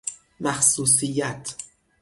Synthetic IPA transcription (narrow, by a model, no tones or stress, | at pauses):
mæxsuːs̬ijæt̪ʰ